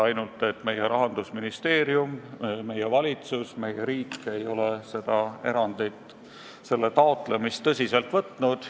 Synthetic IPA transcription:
ɑjnult̪ːˑe̞t̪ːˑme̞jeɾɑɦɑnd̪usminist̪e̞ːɾiumme̞jevɑlʲit̪susme̞jeɾiːkːˑe̞jo̞lese̞d̪̥ɑe̞ɾɑnd̪̥ijt̪ | se̞lːe̞t̪ɑot̪ˑle̞mist̪ːɤsʲise̞lt̪vɤt̪ˑnud̪̥

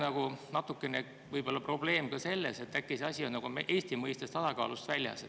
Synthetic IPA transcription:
nɑɡ̥unɑt̪ːˑukːˑe̞ne | vɤjb̥o̞lːɑpro̞b̥le̞ːmkɑse̞lːḛse̞t̪ːækːˑiseɑsʲio̞nnɑɡ̥umeʔe̞ːsʲt̪imɤjst̪est̪ɑsɑkɑ̰ːlust̪vælʲjɑ̰se

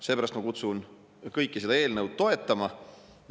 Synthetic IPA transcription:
se̞ːpæɾɑst̪mɑkut̪sun | kɤjkːise̞d̪ɑeːlnəwd̪̥̚t̪o̞e̞t̪ːˑɑmɑ

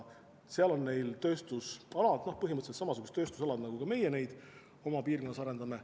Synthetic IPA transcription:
seɑlo̞nne̞jlt̪ø̞ːst̪usɑlɑd̪no̞hpɤɦimɤt̪ːselt̪sɑmɑsuɡust̪ːø̞ːst̪usɑlɑd̪nɑɡukɑme̞jene̞jd̪̥ | o̞mɑpiːrkonːɑsɑɾe̞nd̪ɑme

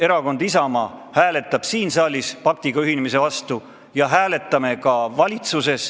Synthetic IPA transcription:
e̞ɾɑko̞nd̪̥isɑmɑhæːle̞t̪ːˑɑb̥siːnsɑːlʲispɑk̚t̪iɡ̥ɑyɦinemis̬e̞vɑst̪u | jɑɦæːle̞t̪ːˑɑme̞kɑvɑlʲit̪suse̞s

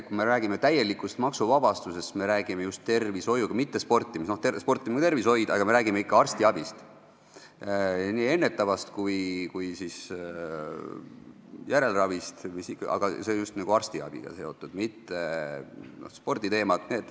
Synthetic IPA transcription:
kume̞ɾæːɡimet̪æje̞likːˑust̪mɑksuvɑb̥ɑst̪use̞st̪me̞ɾæːɡ̥ime̞just̪ːe̞rviso̞juɡ̥ɑmit̪ːe̞spo̞rt̪ːˑimistnoht̪espo̞rt̪ːˑimɡ̥t̪e̞rviso̞jd̪ɑ̰ɡɑme̞ɾæːɡimeikːɑɑrst̪iɑb̥ist̪ | ɑniːe̞nːe̞t̪ːˑɑvɑst̪kujkujsis | jæɾe̞lrɑvist̪misikːɑɑ̰ɡ̥ɑseonjust̪nɑɡ̥uɑrst̪iɑ̰b̥ḭɡ̥ɑ̰se̞o̞t̪ːˑud̪̥mit̪ːe̞ | no̰hspo̞rd̪̥it̪e̞ːmɑt̪neːd̪̥

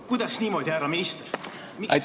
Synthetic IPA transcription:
kujd̪̥ɑsniːmo̞d̪ʲihæːɾɑmist̪e | miʔj̪

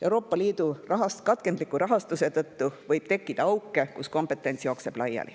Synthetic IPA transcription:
ʔe̞uɾo̞ːpːˑɑliːd̪̥urɑɦɑskɑt̪ke̞nd̪likːˑuɾɑɦɑst̪use̞t̪ɤt̪ːuvɤjb̥t̪e̞kːˑid̪̥ɑɑwkːˑe̞kusko̞mpe̞t̪ːˑe̞nʲsjo̞ːkse̞b̥lɑjːɑ̰lḭ

